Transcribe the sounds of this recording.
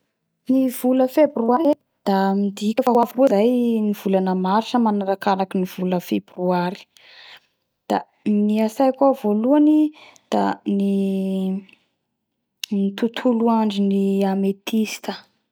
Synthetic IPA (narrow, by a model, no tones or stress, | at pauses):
niv̥uləfebruaɾe | d̪̥amid̪ikʲəfaavkozajniv̥ulanəmaɾʈ͡ʂəmanaɾakanakiniv̥uləfebruaɾi̥ | d̪̥a | niasajkuavoluanid̪̥ani | nit̪ut̪ʰuluaɳɖ͡ʐiniamet̪isi̥t̪ə